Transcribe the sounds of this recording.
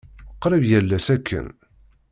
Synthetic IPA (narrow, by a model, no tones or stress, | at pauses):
qːɾəvjælːæsækːə̰n